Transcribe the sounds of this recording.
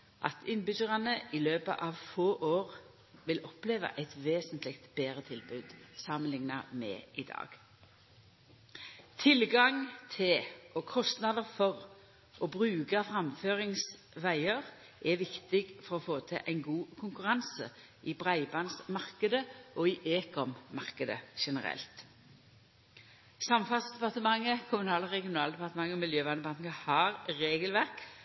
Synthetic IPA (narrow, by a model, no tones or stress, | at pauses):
ʔɑ̰t̪ɪnbʏɡəʁɑnəɪløːpə̰ʔɑʋfoːʔoːʁ | ʋɪlʔɔpleːʋɑ̰ʔɛɪt̪ʋeːsənt̪ʰlɪkt̪b̥eːʁət̪ʰɪlbʉːd̪sɑmənlɪŋnɑ̰mɛ̰ːʔɪd̪ɑ̰ːɡ̥ | t̪ʰɪlɡɑŋt̪ʰɪlɔkʰɔst̪nɑd̪əfɔʁ | ʔɔbʁʉːkɑfʁɑmføːʁɪŋs | ʋæɪəʁ | ʔɛʋɪkt̪ɪɡfɔʁɔfoːt̪ʰɪ̰ʔæɪnɡuːkʰʊŋkʉʁɑnsə̰ | ʔɪbʁæɪbɑnsmɑʁkəd̪əʔɔɪʔeːkɔmmɑ̰ʁkəd̪ə̰ʃɛnəʁɛ̰lt̪ | sɑmfɑsd̪ɛpɑʁt̪əmɑŋːəkʰʊmʉnɑːlʁɛɡɪʊnɑːld̪ɛpɑʁt̪əmɑŋːəɔmɪljøːʋɑnəbɑŋkəhɑʁɾeːɡəlʋæʁk